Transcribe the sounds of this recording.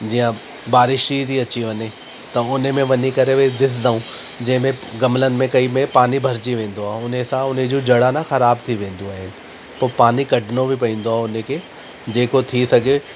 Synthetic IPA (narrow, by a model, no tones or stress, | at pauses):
d͡ʑijə̃ | baːɾɪʃid̪iɐt͡ɕiʋɐɲe | t̪ɐʊnmẽʋɐɲikɐɾeʋed̪ɪsd̪aũ | d͡ʑɐ̃ɦɪ̃mẽɡɐmlənɪ̆mẽkɐimẽpaːnibʱɐɾd͡ʑiʋẽːn̆d̪oaːɦeʊnesãʊned͡ʑoːd͡ʑɐɽanãxɐɾaːbt̪ʰiʋẽːn̆d̪oaːɦɪnɪ̆ | poːpaːnikɐɖʱɪnobɪpɐĩːn̆d̪oaɦʊnekʰeː | d͡ʑeːkot̪ʰisɐɡʱe